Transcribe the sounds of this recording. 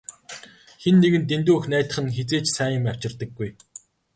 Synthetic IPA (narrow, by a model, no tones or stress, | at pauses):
xenːeɣɘ̆nt̪̬ent̪̬uːɵxnæːt̪ə̆χə̆nxet͡seːt͡ɕsæːjə̆mæw̥t͡ɕɪ̆rt̪ə̆ɡːuj